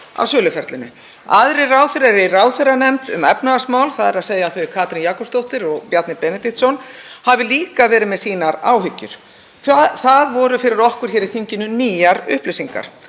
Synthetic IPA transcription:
a̰vsœːlʏfɛɾt̪lɪnʏ̰ | aðɾɪraːwθɪɾɛɾɪraːwθɪrːanɛmt̪ʏ̰mɛpnaasmaːwlθaðɛɾaðseːjaθœɥkʰaːt̪ɾinjaːkɔpst̪owht̪ɪɾɔɣpjat̪nɪɾpɛnɪt̪iht̪sɔnhavɪliːkavɛːɾɪðmɛðsiːnaɾaːwɦʏcːʏ̰ɾ̥ | θθaðvɔːɾʏfɪɾɪɾɔhkʏɾ̥çɛːɾɪθiɲcɪnʏniːjaɾʏ̰hplɪsiŋka̰ɾ̥

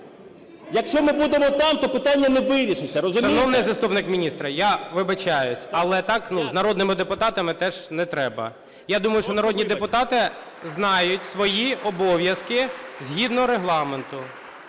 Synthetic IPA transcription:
jɐkʃt͡ʃɔmɪbud̪emɔt̪ɑmt̪ɔpɪt̪ɑnʲːɐnɛʋɪɾʲiʃɪsʲɐɾɔzʊʃɐnɔwnɪjzɐst̪upnɪkmʲinʲist̪ɾɐjaʋɪbɐt͡ʃajʊsʲɐlˠɛt̪ɑknuznɐɾɔd̪nɪmɪd̪epʊt̪ɑt̪ɐmɪt̪ɛʒnɛt̪ɾɛbɐ̰ | jad̪umɐjʊʃt͡ʃɔnɐɾɔdʲnʲid̪epʊt̪ɑt̪ɪ | znɑjʊtʲsʋɔjiɔbɔʋʲjɐskɪzʲɦʲid̪nɔɦɔɾeɦlˠɑment̪ʊ

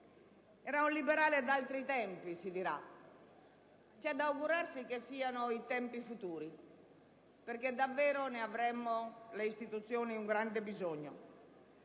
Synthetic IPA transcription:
ɛɾaulibeɾaːled̪alt̪ɾit̪ɛmpisid̪iɾa̰ | t͡ʃɛd̪auɡuɾarsikesːiːanoit̪ɛmpifut̪uːɾi | peɾked̪ːavːɛːɾoneavɾɛmːoleist̪it̪ut̪sːjoːniuŋɡɾand̪ebizoɲːo̰

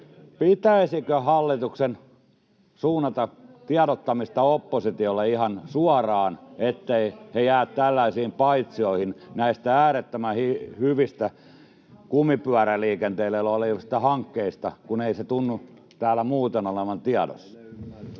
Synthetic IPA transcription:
pit̪æisikøhɑlːit̪uksen | suːnːɑt̪ɑt̪iɑɾot̪ːɑmist̪ɑopːosit̪iolːeihɑnsuɑrɑːnet̪ːeihejæːt̪t̪ælːæisiːmpɑit̪sioihinnæist̪ææːɾet̪ːømæhihyʋist̪æ | kumipyæɾæliːkent̪eilːeloliosi̥t̪ːæhɑŋkːeist̪ɑkuneiset̪unːu | t̪æːlːæmuːt̪enoleʋɑnt̪iɑdo̰s

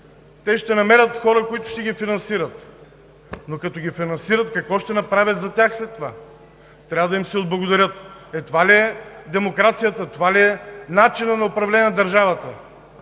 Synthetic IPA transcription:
t̪ɛʃt̪ɛnɐmɛɾʲət̪xɔɾəkoit̪ʊ̥ʃt̪ɛɡʲifinɐnsiɾət̪ | nokɐt̪ɔɡʲifinɐnsiɾət̪kɐkvɔʃt̪ɛnɐpɾavʲət̪zɐt̪ʲaxslɛt̪ːova | t̪ɾʲavəd̪ɐimsɛoʊd̪̚blˠɐɡʊd̪ɐɾʲɤt̪ɛt̪ovaliɛd̪ɛmokɾat̪sijət̪ət̪ovaliɛnat͡ʃinənɐopɾɐvlɛnʲɛnd̪ɐɾʒavɐt̪ə

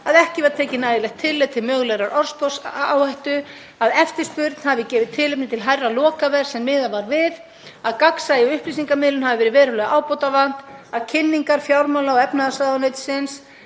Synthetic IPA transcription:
aðɛhcɪvɛɾt̪ʰɛːcɪnajðɪlɛxt̪ʰːɪlːɛðt̪ʰɪlmœːɣlɛɣɾaɾʔɔɾ̥spɔsawhajht̪ʏ | aðɛft̪ɪɾ̥spʏɾt̪n̥havɪcɛːvɪðt̪ʰːɪlɪpnɪt̪ʰɪlɦajrːalɔːkavɛɾ̥sɛmːɪːðavaɾvɪð | aðkaksajɪɔʏhplisiŋkamɪːlʏnɦavɪvɛːɾɪvɛːɾʏlɛɣʔaːwpowt̪avan̥t̪aðcʰɪnːiŋkaɾ̥fjawɾmawlaɔɛpnaðasaðanejt̪sɪns

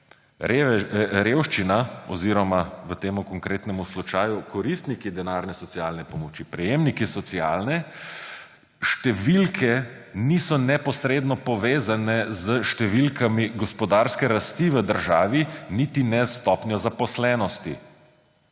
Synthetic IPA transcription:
ɾewʃt͡ʃinaɔ̰ziɾɔmaʋət̪eːmukɔŋkɾeːt̪nɛmuslut͡ʃaːjukɔɾist̪nikid̪ɛnaːɾnɛsɔt̪sialnɛpɔmɔt͡ʃipɾɛjemnikisɔt̪sia̰lnɛ | ʃt̪ɛʋilkʰɛ | nisɔnɛpɔsɾeːd̪nɔpɔʋeːzanɛzəʃt̪ɛʋilkamiɡɔspɔd̪aɾskɛɾast̪iʋəd̪əɾʒaːʋinit̪inɛst̪ɔpnjɔzapɔslɛːnɔst̪i

